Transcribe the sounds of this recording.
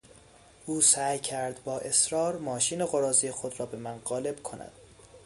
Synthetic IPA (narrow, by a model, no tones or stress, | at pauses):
ʔuːsæːjcʰæɾd̪bɒːʔe̞sɾɒːɾmɒːʃiːneɣoɾɒːzijexod̪ɾɒːbe̞mænɢɒːle̞bkʰo̞næ̰d̪̥